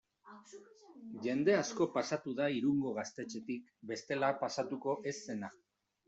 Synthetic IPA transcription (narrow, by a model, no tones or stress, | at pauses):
ʝe̞nd̪e̞asko̞pasat̪uðaiɾuŋɡo̞ɣ̞ast̪e̞t͡ʃe̞t̪ikbe̞st̪e̞lapasat̪uko̞ʔe̞sːe̞na